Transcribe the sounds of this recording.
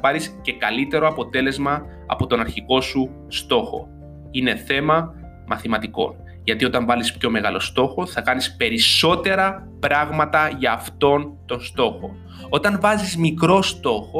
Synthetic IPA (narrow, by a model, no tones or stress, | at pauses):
pɐɾisce̞kɐlit̪e̞ɾo̞ɐpo̞t̪e̞le̞zmɐ | ɐ̰po̞t̪o̞nɐɾçiko̞su | st̪o̞xo̞̰ | ine̞θe̞mɐ | mʔɐθimɐt̪iko̞̰n | ʝɐt̪io̞t̪ɐɱvɐlispço̞me̞ɣɐlo̞̰st̪o̞xo̞θɐkɐnispe̞ɾiso̞t̪e̞ɾɐ | pɾɐɣmɐt̪ɐʝɐːft̪o̞nt̪o̞nst̪o̞xo̞̰ | o̞t̪ɐɱvɐzizmikɾo̞st̪o̞xo